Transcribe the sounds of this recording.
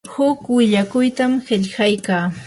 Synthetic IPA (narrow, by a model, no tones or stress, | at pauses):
hʊkwɪʎakʊjt̪amhɪʎhajkaː